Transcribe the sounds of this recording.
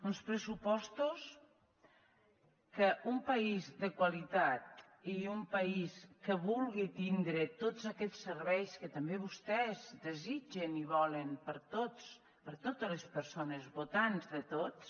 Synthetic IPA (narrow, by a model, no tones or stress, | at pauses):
unspɾəsupɔst̪us | kəʔumpəizd̪əkwalit̪at̪̚ | iumpəiskəβulˠɣit̪ind̪ɾət̪ozəkɛt͡sːərβɛjskət̪əmbeβ̞ust̪ɛzd̪əzid͡ʒəniβɔlənpəɾt̪os | pəɾt̪ot̪ələspəɾsonəzβot̪anzðət̪ots